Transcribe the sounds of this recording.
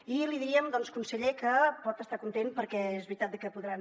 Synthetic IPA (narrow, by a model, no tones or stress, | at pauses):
iliðiɾiəmd̪ɔnskunsəʎekəpɔt̪əst̪akunt̪ent̪̚pəɾkɛezβɾit̪at̪̚d̪əkəpuðɾan